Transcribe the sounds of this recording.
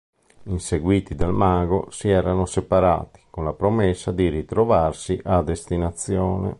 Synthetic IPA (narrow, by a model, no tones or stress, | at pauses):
inseɡwiːt̪id̪almaɡo̰siɛːɾanosepaɾa̰ːt̪i̥konlapɾomesːad̪iɾit̪ɾovarsiʔad̪ːest̪inat̪sjɔːnḛ